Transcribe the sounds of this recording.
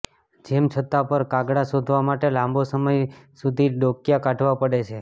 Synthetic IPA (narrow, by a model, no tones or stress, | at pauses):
d͡ʒemt͡ʃʰət̪ːapəɾkaɡɽasod̪ʱʋamaʈelãmbosəməjsud̪ʱiɖokjakaʈʰʋapəɽet͡ʃʰe